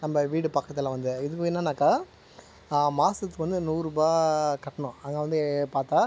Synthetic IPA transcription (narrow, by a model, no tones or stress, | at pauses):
nɐmːbɐʋiːɽɯpɐkːɐt̪ːɪlãːʋɐnd̪ɯɪðɯkːʊɪnːaːnaːkːaː | maːsɐt̪ːɯkʋɐnd̪ɯnuːɾuːbaːkɐʈːɐɳʊ̃ɐŋɡɐʋɐnd̪ɯpaːɾt̪aː